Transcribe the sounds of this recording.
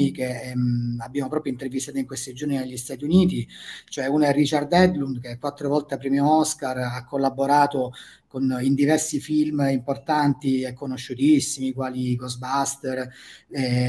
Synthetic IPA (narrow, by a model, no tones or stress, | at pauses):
ike | abːjaːmopɾɔːpɾjoint̪ervist̪at̪oiŋkwest̪id͡ʒornineʎːist̪aːt̪̬iuniːt̪it͡ʃoɛunɛrːit͡ʃard̪ɛd̪lund̪kekwat̪ːɾovɔlt̪eapɾimjoɔskarakʰːolːabːoɾaːt̪o | konind̪ivɛrsifilmimport̪ant̪iekːonoʃːut̪isːimikwaːliɡɔzbast̪erɛ